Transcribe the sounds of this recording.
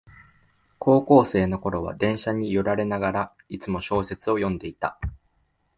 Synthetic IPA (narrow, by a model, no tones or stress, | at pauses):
ko̞ːko̞ːse̞ːno̞ko̞ɾo̞β̞a̰d̪ẽ̞ɰ̃ɕaɲ̟ijoɾaɾe̞naɡaɾa | it͡sɨmo̞ɕo̞ːse̞t͡sɨo̞jõ̞nd̪e̞it̪a